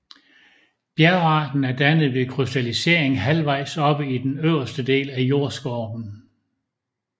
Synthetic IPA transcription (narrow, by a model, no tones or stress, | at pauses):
b̥jæɐɑ̈ːd̥n̩æɐd̥ænð̞̩ˠʋe̝kʰʁysd̥ælise̝̰ɐ̰eŋɦælʋɑ̈ɪ̰sɒ̽b̥əid̥enøʊ̰ɐsd̥əd̥e̝̰ːlæjo̝ɐ̰sɡ̥ɒːb̥n̩